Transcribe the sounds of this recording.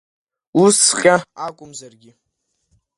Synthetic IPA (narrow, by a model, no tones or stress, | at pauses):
usχʲʼaakʷʼʊmzarɡʲɪ